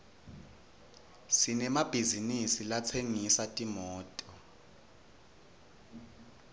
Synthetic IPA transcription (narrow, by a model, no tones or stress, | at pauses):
sinɛmab̥ʱizinisilat͡sʰeŋisatʼimɔːtʼɔ